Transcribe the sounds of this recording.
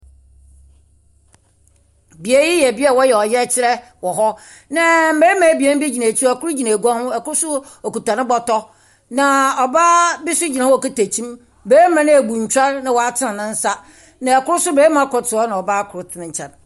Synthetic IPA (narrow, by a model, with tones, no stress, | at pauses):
bi˨e˦ji˦jɛ˨bi˦ɛ˦˨wɔ˦jɛ˨ɔ˨jɛ˦t͡ɕʰɪ˦ɾɛ˦ | wɔ˨ɦɔ˦ | nã˨m̩˦beː˦mã˨˦bi˨ɛ˦n˦bi˦d͡ʑi˨na˨t͡ɕʰi˦a˨kʊ˦ɾʊ˦d͡ʑi˨nã˨ɡu˦a˦hʊ̃˦ɛ˨kʊ˦ʊ˦sʊ˦ | ɔ˨ku˨tã˨nɪ̃˦bɔ˦tɔ˦ | nã˨ɔ˨ba˦bi˦sʊ˦d͡ʑi˨nã˨˦˨ka˦tæ˨t͡ɕʰĩ˦m | beː˨˦mã˨nɪ̃˦æ˨bu˨ɲ̩˨t͡ɕᶣa˦nːã˦wɔ˨a˦tʰɪ˦nã˨nɪ̃˦n̩˦sa˦ | nã˨ɛ˨kʊ˦ɾʊ˦sʊ˦beː˨˦mã˦kʰɔ˨tʰɪ˨ɔ˦nã˨ɔ˨ba˦kʰʊ˨ɾʊ˦tʰɪ˦nɪ̃˦ɲ̩˦t͡ɕʰɛ̃˨n